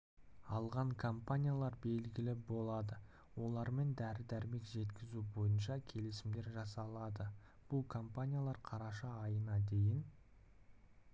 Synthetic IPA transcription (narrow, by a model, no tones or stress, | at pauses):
ɑlˠʁɑŋkʰompanʲijalˠɑɾbe̞lɡʲɪlɪbo̞lˠɑd̪ə | wo̞lˠɑɾme̞nd̪æɾɪd̪æɾɪme̞kʒe̞t̪kʲɪzubo̞jənʃɑkʲʰe̞lɪsɪmd̪e̞ɾʒɑsɑlˠɑd̪ə | b̥ʊlˠkʰo̞mpanʲijalˠɑɾqʰɑɾɑʃɑːjənɑd̪e̞jɪn